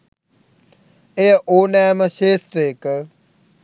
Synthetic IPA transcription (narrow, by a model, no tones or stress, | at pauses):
eʔoːnɛːməʃeːsʈɾeːk